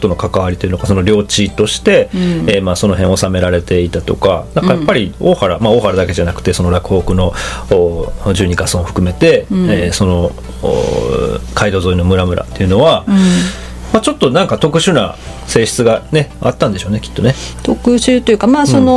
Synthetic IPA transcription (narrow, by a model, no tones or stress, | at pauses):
ot̪ono̞kakaβaɾʲit̪o̞iɯ̟noɡasono̞ɾʲo̞ːt͡ɕit̪o̞ɕi̥t̪e̞ːmaːso̞no̞ɦẽo̞same̞ɾaɾe̞t̪e̞it̪at̪o̞kanãŋkajappːaɾʲio̰ːhaɾamao̞ːhaɾad̪ake̞ʑanakɯ̟̥t̪e̞so̞no̞ɾakɯ̟o̞ːkɯ̟no̞ː | d͡ʑɨːɲ̟ikasõoɸɯ̟̥kɯ̟me̞t̪e̞so̞no̞ | o̰ | kaid̪o̞ːzoino̞mɯ̟ɾamɯ̟ɾʔa̰t̪ːe̞iɯ̟no̞βa | mat͡ɕo̞t̪ːo̞nãŋkat̪o̞kɯ̟ɕɨːna̰ | se̞ːɕi̥t͡sɨɡane̞at̪ːãnd̪e̞ɕoːnekʲi̥t̪ːo̞ne̞t̪okɯ̟ɕɨːt̪ojɯ̟kamaːsono